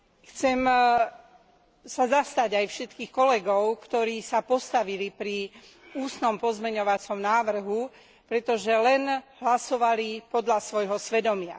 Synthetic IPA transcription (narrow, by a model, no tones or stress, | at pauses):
xt͡sɛm | sazast̪aɟajfʃɛt̪kiːxkɔlɛɡɔʊkt̪ɔɾiːsapɔst̪aʋilipɾi | uːsnɔmpɔzmɛɲɔʋat͡sɔmnaːʋr̩ɦu | pɾɛt̪ɔʒɛlɛnɦlasɔʋalipɔd̪lasʋɔjɦɔsʋɛd̪ɔmɪa̰